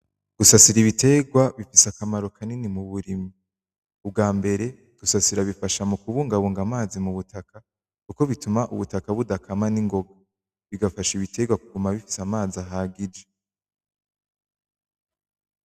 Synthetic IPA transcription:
ɡ̥usasiɾiβite̞ɡwaβifisakamaɾo̞kʰaninimuβuɾimiː | bɡaːmbe̞ɾe̞ | ɡ̥usasiɾaβifaʃamukuβuːŋɡaβuːŋɡamaːzimuβutʰaka | kuko̞βitumaʔṵβutakaβudakamaniŋɡo̞ɡa | βiɡafaʃiβitʰe̞ɡwakuɡumaβifi̥samaːziaɦaːɡid͡ʒe

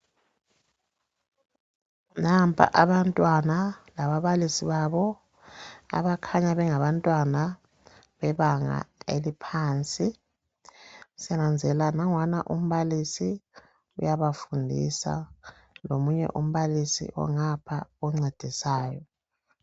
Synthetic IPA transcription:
nampʰʼa̰ʔaβantʼwanalaβaβalisiβaβɔ | a̰βakʰaɲaβɛŋaβantʼwana | βɛβaŋa̰elipʰaːnt͡sʼi | sɛnand͡zʱɛlanaŋwanaʔum̩βalisi | ujaβafundʱḭsa̰ | lomuɲɛ̰ʔum̩βalisḭʔɔ̰ŋapʰaɔŋ͡ǀed̥ʱisaːjɔ

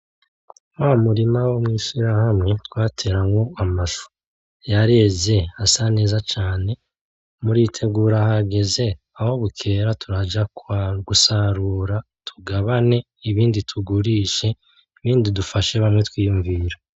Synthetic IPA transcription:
waːmuɾimawomŋiːʃiɾahamŋe̞twaːtʰe̞ːɾaŋɡo̞amaʃu̥ | jaɾe̞ze̞asane̞ːzat͡ʃaːne̞ | muɾiːtʰe̞ɡuːɾahaɡe̞ze̞ | aho̞βukʰe̞ːɾatʰuɾad͡ʒakwaɡusaɾuːɾa | tʰu̥ɡaβane̞ | iβiːnditʰuɡuɾiːʃe̞ | iβiːndidufaʃe̞βamŋetwiːjuɱviːɾa

